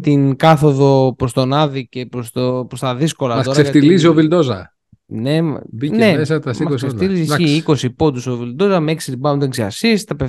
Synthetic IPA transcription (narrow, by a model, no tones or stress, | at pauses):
t̪iŋkɐθo̞ðo̞pɾost̪o̞nɐðice̞pɾost̪opɾost̪ɐðisko̞lɐtɐso̞ɾɐeft̪iliziovild̪ozɐ̰ | ne̞mbinemesɐt̪ɐsmɐseft̪ilizsiiko̞sipo̞t̪uso̞vild̪o̞zɐmeksit̪ibɐund̪eɡziɐsist̪ɐpe